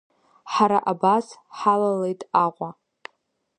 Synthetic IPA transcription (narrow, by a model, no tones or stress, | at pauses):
ħaɾaʔabasħalalejtʼaqʷʼa